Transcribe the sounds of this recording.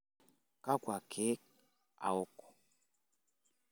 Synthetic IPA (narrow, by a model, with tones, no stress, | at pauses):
ka˦kwa˨kʰe˦k̚ | a̰˨o˦kɔ̥˨